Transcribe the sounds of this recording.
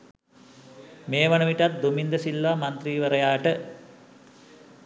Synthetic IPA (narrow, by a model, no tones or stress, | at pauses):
meːʋɐɳɐʋiʈɐt̪̚d̪umind̪ɐsilːʋamɐnt̪riːʋəɾɐjaːʈə